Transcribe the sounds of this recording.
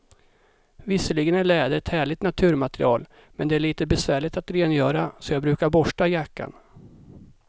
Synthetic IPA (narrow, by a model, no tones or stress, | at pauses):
vɪsəlɪɡənæɭɛːd̪əɾɛt̪hæːɭɪt̪nat̪ʰʉ̟ːɾmat̪ɾɪ̰ɑ̰ːl | mɛnd̪ɛæɭiːt̪əbɛsvæːɭɪt̪at̪ɾeːnjœːɾasɔjɑːɡbɾʉ̟ːkaɾbɔʂʈajakːa̰n